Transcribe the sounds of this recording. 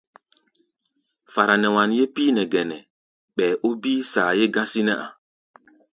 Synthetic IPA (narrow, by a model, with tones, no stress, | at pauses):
fa˨ɾa˨nɛ˨wa˨nje˦piː˦nɛ˨ɡɛ˨nɛ˨ | ɓɛː˨ʔo˦bi˦saː˨je˦ɡã˦si˦nɛ˦ʔa̰˨